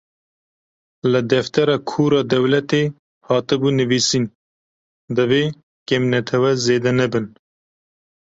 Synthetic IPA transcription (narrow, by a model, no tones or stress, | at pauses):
lɨd̪ɛft̪ɛɾɑːkʰuːɾɑːd̪ɛwlɛt̪eː | hɑːt̪ɨbuːnɨviːsiːn | d̪ɨveː | kemnɛt̪ʰɛwɛzeːd̪ɛnɛbɨn